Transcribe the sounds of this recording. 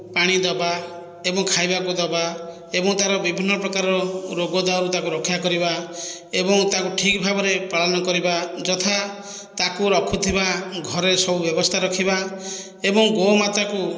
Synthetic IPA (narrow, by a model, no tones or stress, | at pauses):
paɽ̃id̪ɔba | ebɔŋkʰajbakud̪ɔba | ebɔŋt̪aɾɔbibʱinːɔpɾɔkaɾɔɾɔɾoɡɔd̪aɾut̪akuɾɔkʰːjakɔɾibaebɔŋt̪akuʈʰikbʱabɔɾepaɭɔnɔkɔɾibad͡ʒɔt̪ʰa | t̪akuɾɔkʰut̪ʰibaɡʱɔɾesɔbubjɔbɔst̪ʰaɾɔkʰiba | ebɔŋɡomat̪ɾaku